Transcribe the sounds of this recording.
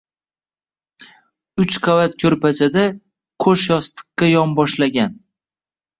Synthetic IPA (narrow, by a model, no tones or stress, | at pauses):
ʊt͡ʃqʰavat̪̚kʲʰɵɾpʰat͡ʃʰad̪a | kʰɵʃjɒst̪ʰɨ̥qːajɒmbɒʃlaɡʲan